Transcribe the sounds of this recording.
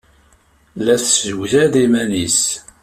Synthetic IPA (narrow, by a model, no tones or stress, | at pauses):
læθzəwθæðimænis